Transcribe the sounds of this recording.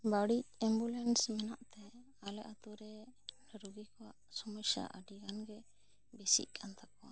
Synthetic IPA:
baɽic̚ɛmbulɛnsmɛnaʔt̪ɛ | alɛʔat̪uɾɛ | ɾuɡikɔwaʔsɔmɔsa̰ʔaɖiɡanɡɛ | bɛsḭʔ̚kʰant̪ʰakɔwa

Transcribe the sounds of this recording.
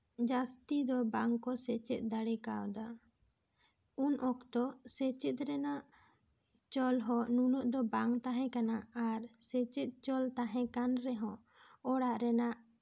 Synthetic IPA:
d͡ʒast̪id̪ɔbaŋkɔsɛt͡ʃɛt̪̚ˀd̪aɽɛkawd̪a | unɔkt̪ɔsɛt͡ʃɛt̪̚ɾɛnaʔ | t͡ʃɔlɦɔ̃nunɔʔd̪ɔbaŋt̪aɦɛ̃kanaːɾsɛt͡ʃɛt̪̚t͡ʃɔlt̪aɦɛ̃kanɾɛɦɔ̃ | ɔɽaʔɾɛnaʔ

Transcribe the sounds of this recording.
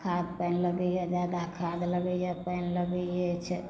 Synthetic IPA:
kʰad̪̚pəːnləɡəɦed͡ʒjaːd̪akʰaːd̪ləɡəepəːnləɡəet͡ʃʰɛ

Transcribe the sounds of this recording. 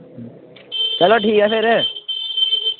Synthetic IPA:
t͡ʃɐloʈʰiːkafeɾ

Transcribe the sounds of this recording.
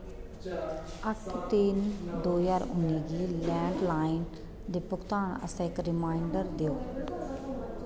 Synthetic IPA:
əʈʰt̪ind̪oːjaːɾʊnːiːɡiːlɛ̃ːɳɖlaːɪn | d̪eːpʊkʰt̪aːɳə̰sãːɪkɾɪmaːɪɳɖəɾd̪eːoː

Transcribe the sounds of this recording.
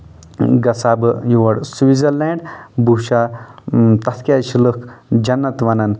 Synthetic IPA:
ɡɐsabɨjuʋɐɽsuʋizɐɾlẽɳɖbuʃa | t̪ɐt̪ʰkʲjaʃiləkd͡ʒɐnːɐt̪ʋɐnɐn

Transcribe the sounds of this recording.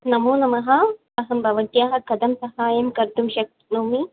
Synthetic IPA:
nɐmuːnɐmɐɦɐ | ɐɦɐmbʱɐʋɐʈ̪jaːɦɐ̆kɐd̪ɐmsɐhaːjɐmkɐɾd̪umʃɐk̚t̪noːmi

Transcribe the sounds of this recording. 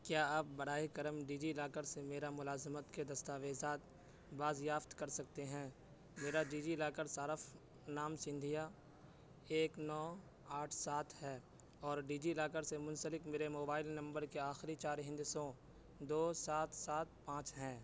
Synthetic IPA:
kjaːaːp̚bɐɽ̤aːikɐɾəmɖiːd͡ʒiɪlaːkəɾsemeːɾamʊlaːzmət̪ked̪ɐst̪aːʋeːzaːt̪ | baːzjaːft̪kɐɾsɐkt̪eɦɛ̃ː | meːɾaɖiːd͡ʒiɪlaːkəɾsaːɾəf | naːmsɪ̃nd̪ʱija | eːknɔː | aːʈʰsaːt̪ʰɦɛː | ɔːɾɖiːd͡ʒiɪlaːkəɾsemʊ̃nsəlɪkmeːɾemoːbaːɪlnɐ̃mbəɾkeaːxɪɾit͡ʃaːɾɦɪ̃nd̪sõː | d̪oːsaːt̪ʰsaːt̪̚ʰpãːt͡ʃɦɛ̃ː

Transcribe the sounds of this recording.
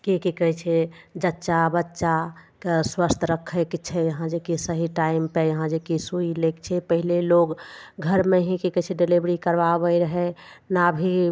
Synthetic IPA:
kikikəɦɛt͡ʃʰed͡ʒətːʃabətːʃakswəst̪ʰɾəkʰːɛkt͡ʃʰɛjəɦãd͡ʒekisəɦiʈaɪmpejəɦãd͡ʒekisuilekt͡ʃʰɛpəɦileloɡɡʱəɾmeɦĩkikət͡ʃʰɛɖelibɾikəɾbabəiɾəɦɛnabʱi

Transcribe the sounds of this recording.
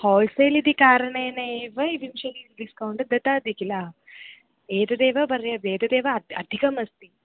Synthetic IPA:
hɔːlsɐjlid̪ikaːɾɐɳeːneːʋɐiʋimʃɐliɖiskɐwɳɖɐd̪ɐt̪aːd̪ʱikilɐ | eːd̪ɐd̪eːʋɐbɐɾjɐbeːd̪ɐd̪eːʋɐɐd̪ʱikɐmɐst̪i

